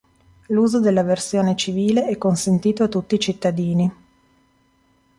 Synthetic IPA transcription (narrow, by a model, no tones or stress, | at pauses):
luːzod̪elːaversjoːnet͡ʃiviːleʔɛkːonsent̪iːt̪oat̪ːut̪ːiːt͡ʃit̪ːad̪iːni